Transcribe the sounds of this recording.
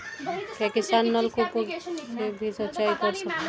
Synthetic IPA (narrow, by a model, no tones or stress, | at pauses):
pɛkist̪anːəlkoposebʱisət̪ːt͡ʃaikɔɾsəke